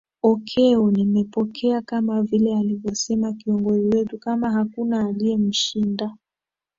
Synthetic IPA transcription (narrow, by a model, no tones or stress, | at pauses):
ɔkʰɛunimɛpɔkʰɛakamavilɛalivjɔsɛmakiɔŋɡɔziwɛtukamaɦakunaːliɛm̩ʃinda